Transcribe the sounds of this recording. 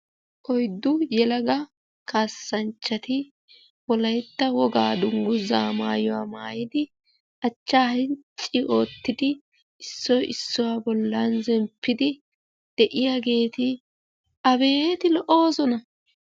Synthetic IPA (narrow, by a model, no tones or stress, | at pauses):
kɔjd̪ːʊjɛlɐɡɐ | kʰaːsːɐnt͡ʃːɐt̪ɪ | wɔlɐjt̪ːɐwɔɡaːd̪ʊŋɡʊzaːmaːjɔwa̰ːmaːjɪd̪ɪ | ʔɐt͡ʃːaːhɪnt͡ʃʼːɪʔo̞ːt̪ːɪd̪ɪ | ɪsːɔjʔɪsːɔwaːbɔlːɐnzɛmpːɪd̪ɪ | d̪̥ɛʔɪjaɡe̞ːt̪ɪ | ʔɐbe̞ːt̪ɪlɔʔo̞ːzɔnɐ